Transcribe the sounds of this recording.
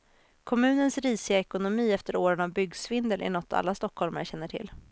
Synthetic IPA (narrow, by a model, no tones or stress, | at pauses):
kʰɔmʉ̟ːnənsɾiːsɪaɛkʊnʊmiːɛft̪əɾoːɾənavbʏɡsvɪnd̪əlʔɪ̰ɳɔt̪ːa̰lːast̪ɔkhɔlma̰ɾɕɛnːəʈʰɪ̰lː